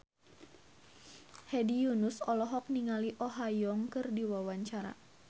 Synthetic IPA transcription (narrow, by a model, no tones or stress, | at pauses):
hɛdijunusɔlɔɦɔk̚niŋaliʔɔɦajɔŋkɨrdiwawaɲt͡ʃaɾa̰